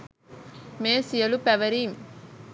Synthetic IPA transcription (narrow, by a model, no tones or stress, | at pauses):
meːsijɐlupɛʋɐɾim